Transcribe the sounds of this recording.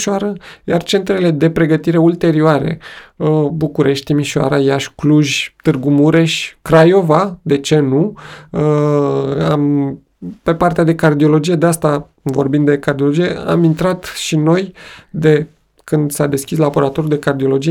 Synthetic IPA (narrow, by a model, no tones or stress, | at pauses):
ʃoaɾəjart͡ʃe̞nt̪ɾe̞le̞d̪e̞pɾe̞ɡət̪iɾe̞ult̪e̞ɾioaɾe̞̰ | bukuɾe̞ʃt̪̚ʲt̪imiʃoa̰ɾajaʃʲkluʒʲt̪ɨrɡumuɾe̞ʃkɾajo̞vad̪e̞t͡ʃe̞nu | am | pe̞part̪ead̪e̞kard̪io̞lo̞d͡ʒije̞d̪east̪a | vo̞rbind̪d̪ekard̪iolo̞d͡ʒije̞a̰mint̪ɾat̪ʃino̞jd̪e̞ | kɨnd̪sad̪e̞skʲislabo̞ɾat̪o̞ɾjuld̪e̞kard̪io̞lo̞d͡ʒije